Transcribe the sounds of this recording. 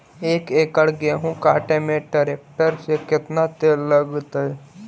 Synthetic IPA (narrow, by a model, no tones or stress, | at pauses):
eːkeːkəɽɡeɦũkaːʈemẽʈeɾeːk̚ʈəɾsekɪt̪nat̪eːləɡt̪əɛ